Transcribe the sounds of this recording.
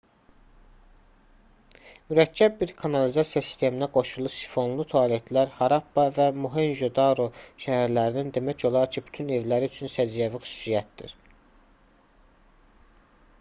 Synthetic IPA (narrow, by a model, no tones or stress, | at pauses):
myɾæcʰːæb̚biɾkʰɑnɑlizɑsjɑsi̥st̪ʰe̞minæɡo̞ʃulˠusi̥fo̞nlˠut̪ʰoɑle̞t̪ʰlæɾhɑɾɑpbɑvæmuɦenʒod̪ɑɾoʃæhæɾlæɾinind̪e̞mæco̞lˠɑɾcʰiby̥t̪ʰyne̞vlæɾiyt͡ʃʰynsæd͡ʒjævixy̥su̥sijæt̪̚d̪ḭɾ̥